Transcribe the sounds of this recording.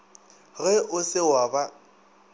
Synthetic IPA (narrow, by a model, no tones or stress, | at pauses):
ɣɛʔʊsɪwaba